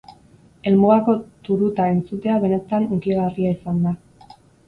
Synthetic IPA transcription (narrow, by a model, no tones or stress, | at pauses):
e̞lmuɣako̞t̪uɾut̪ae̞nt͡sut̪e̞aβ̞e̞ne̞t̪anukiɣariaisand̪a